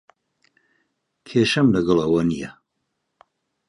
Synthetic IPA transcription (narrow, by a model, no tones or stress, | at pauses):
kʰeːʃɐmlɐɡɐlɐwɐnijɐ